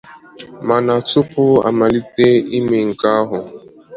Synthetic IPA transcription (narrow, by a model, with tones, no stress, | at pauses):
ma˨na˨tʊ˦pʊ˦a̰˨ma˨li˦te˦i˦me˨ŋ̩˨ka˦a˦ɦʊ˨